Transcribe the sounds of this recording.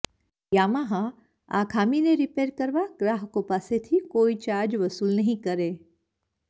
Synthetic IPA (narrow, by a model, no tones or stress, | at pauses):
jaːmaɦã | a̰kʰaːmineɾipeːɾkəɾʋaɡɾaːɦkopaset̪ʰikoːit͡ʃaːɾd͡ʒʋəsuːlnɐɦĩkəɾe